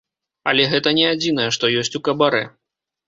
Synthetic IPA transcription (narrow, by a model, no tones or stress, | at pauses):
ɐ̰lʲɛɣɛt̪ɐnʲɛad͡zʲin̪ɐjɛʂt̪ɔjɔsʲt͡sʲukɐbaɾɛ